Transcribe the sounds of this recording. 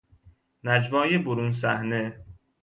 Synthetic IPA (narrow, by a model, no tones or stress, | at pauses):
næd͡ʒvɒːjeboɾuns̬æhne